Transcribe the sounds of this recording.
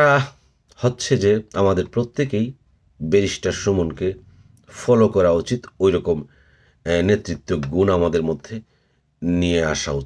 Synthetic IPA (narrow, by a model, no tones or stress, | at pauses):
a | hotːɕʰed͡ʑeamad̪eɾpɾot̪ːekej | beɾiʃʈaʃomunke | fɔlokɔɾaut͡ɕit̪ojɾɔkom | net̪ːɾit̪ːoɡunamad̪eɾmod̪ʱːe | nijea̰ʃa̰ut͡ɕi